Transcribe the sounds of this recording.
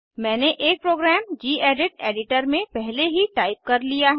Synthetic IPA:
mɛ̃ːneʔeːk̚pɾoːɡɾɛːmd͡ʒiːeːɖɪʈ̚eːɖɪʈəɾmẽpɛɦleɦiʈaːɪp̚kɐɾlijaɦ

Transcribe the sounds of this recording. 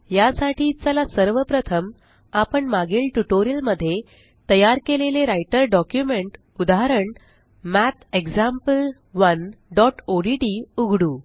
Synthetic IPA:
jasaʈʰiːt͡səlasəɾʋəpɾət̪ʰəm | apəɳmaɡiːlʈuʈoɾiəlməd̪ʱːje | t̪əjaɾkeleleɾajʈəɾɖɔkjumeɳʈ | ud̪aɦaɾəɳ | mæt̪ʰeɡd͡zampəl | ʋənɖɔʈoɖiʈiːuɡʱɽuː

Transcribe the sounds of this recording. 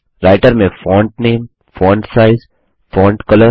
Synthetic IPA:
ɾaːɪʈəɾmẽfɔːɳʈ̚neːm | fɔːɳɖsaːɪz | fɔːɳɖkɐləɾ

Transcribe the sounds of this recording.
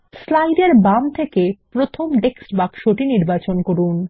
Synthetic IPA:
slajɖeɾbamt̪ʰekepɾot̪ʰomɖeksʈbakʃoʈiniɾbat͡ɕonkoɾun

